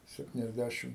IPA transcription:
sʲɛpʲtʲɪnʲɛzʲˈdʲæʃʲɪm

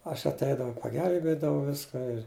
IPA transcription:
ɐʃ ɐtʲˈɛɪdɐʋɐʊ pɐˈɡʲɛlʲbʲeːdɐʋɐʊ ˈʋʲɪskɐ ɪr

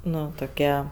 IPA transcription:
ˈnʊ toːˈkʲiɛ

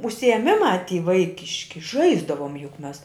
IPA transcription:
ʊʃʲsʲɪeːˈmʲɪmɑː tʲiː ˈʋɐɪkʲɪʃʲkʲɪ ˈʒɐɪzdɐʋoːm jʊk ˈmʲɛs

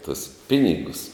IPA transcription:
tʊs ˈpʲɪnʲɪɡʊs

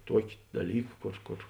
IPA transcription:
ˈtuɔkʲɪ dɐˈlʲiːk ˈkoːr ˈkoːr

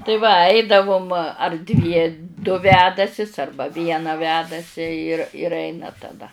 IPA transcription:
tɐɪ ʋɐ ˈɐɪdɐʋʊm ɐr dʲʋʲiɛ dʊ ˈʋʲæːdɐsʲɪs ˈɐrbɐ ˈʋʲiɛnɐ ˈʋʲæːdɐsʲɪ ɪr ɪr ˈɛɪnɐ tɐˈdɐ

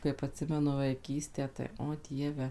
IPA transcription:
kɐɪp ɐtʲˈsʲɪmʲɛnʊ ʋɐɪˈkʲiːsʲtʲæː tɐɪ oː ˈdʲiɛʋʲɛ

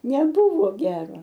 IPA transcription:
nʲɛˈbʊʋoː ˈɡʲæːroː

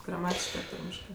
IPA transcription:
ɡrɐˈmɑːtʲɪʃkɜ ɐr ˈtɐrʲmʲɪʃkɜ

